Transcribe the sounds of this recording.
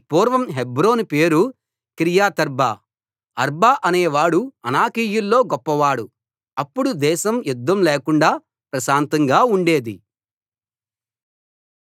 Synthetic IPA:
puːɾʋɐmɦebɾo̞ːnpe̞ːɾu | kɾijaːt̪ɐɾbaː | ɐɾbaːʔɐneːʋaːɽuɐnaːkiːjulːo̞ːɡɔpːɐʋaːɽu | ɐpːuɽud̪ɛːʃɐmjud̪ːɐmleːkuɳɖaː | pɾɐʃaːnt̪ɐŋɡaːuɳɖe̞ːd̪i

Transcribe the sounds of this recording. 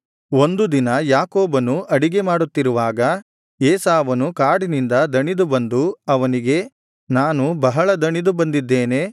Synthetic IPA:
o̞nd̪ud̪inɐjaːkoːbɐnuʔɐɽiɡe̞maːɽut̪ːiɾuʋaːɡɐ | eːsaːʋɐnukaːɽinind̪ɐd̪ɐɳid̪ubɐnd̪uɐʋɐniɡe̞ | naːnubɐɦɐɭɐd̪ɐɳid̪ubɐnd̪id̪ːe̞ːne̞

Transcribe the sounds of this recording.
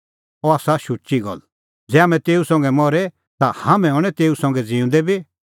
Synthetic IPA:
ɔaːsaʃʊt͡ʃiɡɐ̰l | d͡zɛːaːmɛ̃t̪eːusɔ̃ŋ̆ɡɛmɔɾɛ | t̪ahamɛ̃ɔːɽ̃ɛt̪eːusɔ̃ŋ̆ɡɛd͡zĩːũnd̪ɛbi

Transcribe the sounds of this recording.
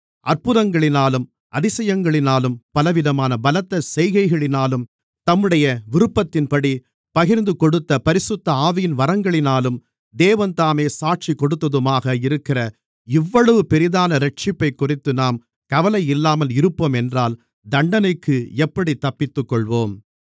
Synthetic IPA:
ʔɐrpɯðɐŋɡɐɭɪnaːlɯm | ɐðɪsɐjɐŋɡɐɭɪnaːlɯmpɐlɐʋɪðɐmaːnɐbɐlɐt̪ːɐsɛjɣɐɪɣɐɭɪnaːlɯm | t̪ɐmːɯɽɐjɐʋɪɾɯpːɐt̪ːɪnpɐɽi | pɐɣɪɾnd̪ɯkɔɽɯt̪ːɐpɐɾɪsɯt̪ːɐaːʋɪjɪnʋɐɾɐŋɡɐɭɪnaːlɯm | d̪eːʋɐnt̪aːmeːsaːʈ̚t͡ʃikɔɽɯt̪ːɐðɯmaːɣɐɪɾɯkːɪrɐ | ɪʋːɐɭɐʋɯpɛɾɪðaːnɐɾɛʈ̚t͡ʃɪpːɐɪkːʊrɪt̪ːɯnaːm | kɐʋɐlɐɪɪlːaːmɐlɪɾɯpːoːmɛndraːl | d̪ɐɳɖɐnɐɪkːɯɛpːɐɽit̪ːɐpːɪt̪ːɯkːɔɭʋoːm

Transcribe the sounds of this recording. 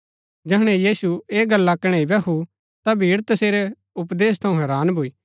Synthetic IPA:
d͡ʒɛɦɽ̃ɛjiːsueːɡɐlːakɽ̃eibɛkʰu | t̪abʱiːɽt̪ɐseːɾɛ | ʊp̬d̪eːs̬t̪ʰɐ̃ũɦɛːɾaːnbʱuiː

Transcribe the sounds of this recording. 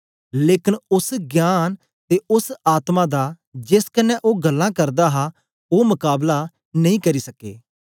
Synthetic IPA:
leːkɪnʊsɡjaːn | t̪eːʔʊsaːt̪mãːd̪aː | d͡ʒɪskənɛ̃ʔoːɡəlːãːkɐɾd̪aːɦaː | oːmʊkaːbla | nɐ̃ĩːkɐɾiːsɐkḛː

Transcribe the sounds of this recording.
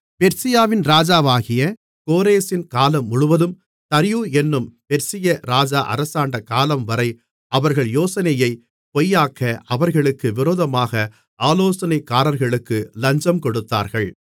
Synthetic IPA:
pɛɾsɪjaːʋɪnɾaːd͡ʒaːʋaːɣɪjɐ | koːɾeːsɪnkaːlɐmːʊɻʊʋɐðɯm | t̪ɐɾɪjuːɛnːɯmpɛɾsɪjɐɾaːd͡ʒaːʔɐ̰ɾɐsaːɳɖɐkaːlɐmʋɐɾɐɪ | ɐʋɐɾɣɐɭjoːsɐnɐjɐɪ | pɔjːaːkːɐʔɐʋɐɾɣɐɭɯkːɯʋɪɾoːðɐmaːɣɐ | aːloːsɐnɐɪkːaːɾɐɾɣɐɭɯkːɯlɐɲd͡ʒɐmkɔɽɯt̪ːa̰ːɾɣɐɭ

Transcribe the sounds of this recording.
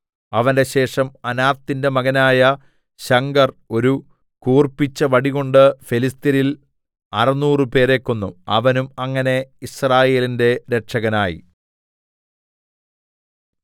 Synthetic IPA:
ɐʋɐnde̞ɕe̞ːʂɐmɐnaːrt̪ːinde̞mɐɣɐnaːjɐ | ɕɐŋɡɐro̞ɾu | kuːrpːit͡ɕːɐʋɐɽiɣo̞ɳɖɨfelist̪iɾil | ɐrɐnuːrɨpe̞ːɾekːonːṵɐ̰ʋɐnumɐŋːɐne̞israːje̞ːlinde̞ɾe̞ʈʂɐɣɐnaːjḭ

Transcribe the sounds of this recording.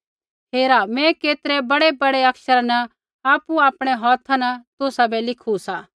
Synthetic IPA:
ɦeːɾamɛ̃keːt̪ɾɛbɐɽebɐɽɛɐkʃəɾnɐ | aːpuaːpɽ̃ɛɦɔːt̪ʰanɐt̪ʊsabɛlɪkʰusaː

